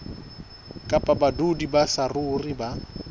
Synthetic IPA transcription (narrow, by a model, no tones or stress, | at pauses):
kʼapʼabadudibasarʊriba